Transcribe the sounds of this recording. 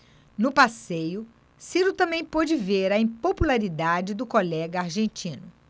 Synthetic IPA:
nʊpasejʊ | siɾut̪ɐ̃mbẽj̃pod͡ʒɪveɾɐĩpopulaɾid̪ad͡ʒɪd̪ʊkolɛɡɐaɾʒẽnt͡ʃĩnʊ

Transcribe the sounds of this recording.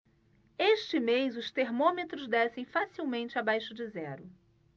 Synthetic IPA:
eʃt͡ʃɪmejzʊst̪eɾmõmet̪ɾʊzd̪ɛsẽj̃fasiwmẽnt͡ʃɪabajʃʊd͡ʒɪzɛɾʊ

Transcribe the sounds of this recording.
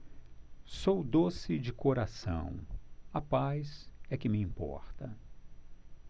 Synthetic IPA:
sowd̪osɪd͡ʒɪkoɾasɐ̰̃w̃ɐpajzɛkɪmɪĩmpɔ̰ɾt̪ɐ

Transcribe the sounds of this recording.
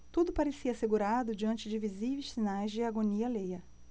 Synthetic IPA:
t̪ud̪ʊpaɾesiɐaseɡuɾad̪ʊd͡ʒiɐ̃nt͡ʃɪd͡ʒɪviziveʃsinajzd͡ʒɪaɡoniɐlejɐ

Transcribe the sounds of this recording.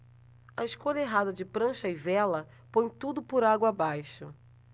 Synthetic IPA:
ɐɪʃkoʎɐeɦad̪ɐd͡ʒɪpɾɐ̃ʃɐɪvɛlɐ | põj̃t̪ud̪ʊpʊɾaɡwɐabajʃʊ

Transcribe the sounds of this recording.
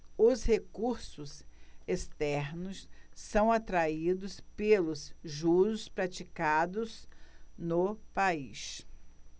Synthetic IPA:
ʊshekuɾsʊsest̪ɛɾnʊsːɐ̃w̃at̪ɾaid̪ʊspelʊsʒuɾʊspɾat͡ʃikad̪ʊznʊpais

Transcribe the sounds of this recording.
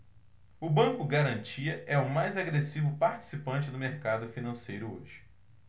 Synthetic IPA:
ʊbɐ̃ŋkʊɡaɾɐ̃nt͡ʃiɐʔɛʊmajzaɡɾesivʊpaɾt͡ʃi̥sipɐ̃nt͡ʃɪd̪ʊmeɾkad̪ʊfinɐ̃sejɾʊo̰ʒɪ

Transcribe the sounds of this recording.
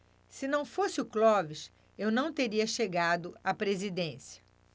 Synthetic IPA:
sɪnɐ̃w̃fosɪʊklɔvɪʃ | ewnɐ̃w̃t̪eɾiɐʃeɡad̪ʊapɾezid̪ẽsiɐ̥

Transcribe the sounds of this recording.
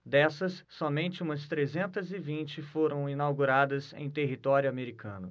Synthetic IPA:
d̪ɛsɐsːɔmẽnt͡ʃɪũmɐst̪ɾezẽnt̪ɐzɪvĩnt͡ʃɪfoɾɐ̃w̃inawɡuɾad̪ɐzḛ̃j̃t̪eɦit̪ɔɾjʊameɾikʰɐ̰̃nʊ

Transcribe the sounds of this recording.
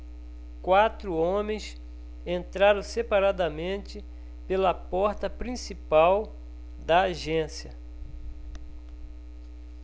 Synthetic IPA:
kwat̪ɾʊõmẽj̃s | ẽnt̪ɾaɾɐ̃w̃sepaɾad̪ɐmẽnt͡ʃɪ | pelɐpɔɾt̪ɐpɾĩsipaw | d̪ɐaʒẽsiɐ

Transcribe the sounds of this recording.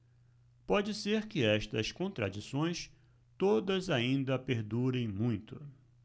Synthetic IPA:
pɔd͡ʒɪseɾkɪɛʃt̪ɐskõnt̪ɾa̰d͡ʒisõj̃s | t̪od̪ɐzaĩnd̪ɐpeɾd̪uɾẽj̃mũj̃t̪ʊ

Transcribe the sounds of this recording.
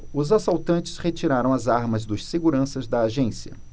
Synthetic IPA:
ʊzasawt̪ɐ̃nt͡ʃɪ̥shet͡ʃiɾaɾɐ̃w̃ɐzaɾmɐzd̪ʊsseɡuɾɐ̃sɐzd̪ɐːʒẽsiɐ̰

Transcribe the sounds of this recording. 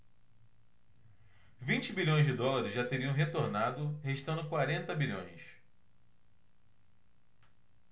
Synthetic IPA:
vĩt͡ʃɪbiʎõj̃zd͡ʒɪd̪ɔlaɾɪzʒat̪eɾiɐ̃w̃ɦet̪oɾnad̪ʊheʃt̪ɐ̃nd̪ʊkwaɾẽnt̪ɐbiʎõ̰j̃s

